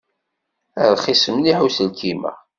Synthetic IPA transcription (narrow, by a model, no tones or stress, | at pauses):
æðχisəmliħusəlkʰimæ̰